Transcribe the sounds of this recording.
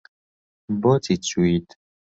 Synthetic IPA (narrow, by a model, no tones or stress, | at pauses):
bɔt̪ʰit͡suit̪